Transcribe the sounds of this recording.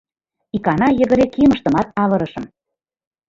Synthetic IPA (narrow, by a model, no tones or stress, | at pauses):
ikɑnɑjə̆ɣə̆ɾekiəmə̆ʃt̪ɤ̆mɑt̪ɑlɤ̆ɾɤ̆ʃɤ̆m